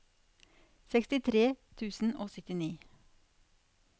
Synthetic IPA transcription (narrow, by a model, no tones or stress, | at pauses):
sɛkst̪ɪt̪ʰɾeːt̪ʰʉːsn̩ʔoːsʏt̪ɪniː